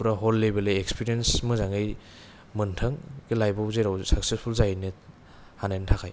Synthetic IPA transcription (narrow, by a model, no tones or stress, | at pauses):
uɾaɦolːebeleekspiɾijensmɯzaŋɯj | mɯntʰɯŋɡelajbɔzeɾawsak̚sespʰulzajnɯ | hanentʰakʰaj